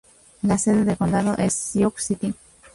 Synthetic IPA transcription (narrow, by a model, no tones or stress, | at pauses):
laseðeðekond̪aðoʔesːioksit̪i